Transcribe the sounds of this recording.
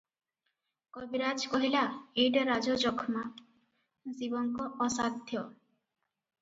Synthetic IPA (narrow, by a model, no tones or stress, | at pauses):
kɔbiɾad͡ʒkɔɦilaeɖɾad͡ʒɔd͡ʒɔkʰma | zibɔŋkɔɔsad̪ʱjɔ